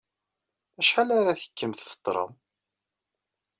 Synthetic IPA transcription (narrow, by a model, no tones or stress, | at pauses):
æʃħalaɾaθə̥kːəmθfə̥t̪ˤːɾˤə̰m